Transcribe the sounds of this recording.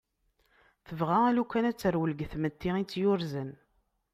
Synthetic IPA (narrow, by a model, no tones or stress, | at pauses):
θəvʁæælukːænæt͡sːəɾwələɡθmət̪ːɪit͡sːjʊɾzən